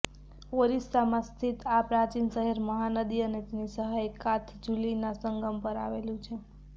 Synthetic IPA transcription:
oɾisamãst̪ʰit̪apɾat͡ʃinsəɦeɾməɦanəd̪iənet̪nisəɦajkat̪ʰd͡ʒulinasəŋɡəmpəɾa̰ʋelũt͡ʃʰe

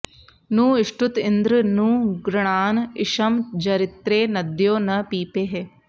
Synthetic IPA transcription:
nũːɪʃʈʊt̪ɪnd̪ɾənũːɡɾɪɳ̃aːnɪʃɐmd͡ʒɐɾɪt̪ɾeːnɐd̪joːnɐpiːpeːɦeː

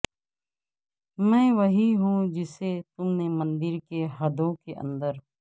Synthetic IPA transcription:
mɛ̃ːʋɐɦiɦũd͡ʒɪset̪ʊmnemɐ̃nd̪ɪɾkeɦɐd̪õkeʔə̰̃nd̪əɾ

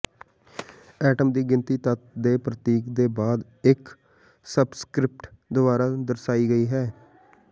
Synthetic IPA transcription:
ɛːʈəmd̪iːɡɪnt̪iːt̪ət̪d̪eːpɾət̪iːkd̪eːbaːd̪ | ɪk | səbskɾɪp̚ʈd̪ʊbaːɾaːd̪əɾsaːiːɡəiːɦɛː

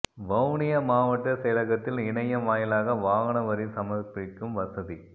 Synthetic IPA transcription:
bɐʊɳɪjɐmaːʋɐʈːɐsɛlɐɣɐt̪ːɪlɪɳɐjɐmaːjɪlaːɣɐʋaːɣɐɳɐʋɐɾisɐmɐpːɪkːɯmʋɐsɐði

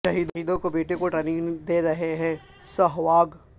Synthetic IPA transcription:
ʃɐɦiːd̪ɦiːd̪õkobeːʈekoʈɾeːnɪ̃ŋɡd̪eːɾɐɦeɦɛ̃ː | sɐɦʋaːɡ

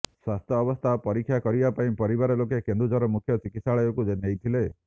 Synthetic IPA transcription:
swast̪ʰjɔːbɔst̪ʰapɔɾikʰːjakɔɾibapaĩpɔɾibaɾɔlokekend̪ɾud͡ʒɔɾɔmukʰjɔt͡ʃikit̪saɭɔjɔkud͡ʒenejt̪ʰile

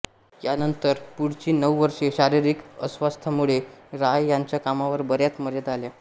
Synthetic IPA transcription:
janənt̪əɾpuɽt͡ɕiːnəwʋəɾʂeɕaɾiɾikə̰sʋast̪ʰəmuɭeɾajːjaɲt͡ɕjakamaʋəɾbəɾjat̪məɾjət̪alja

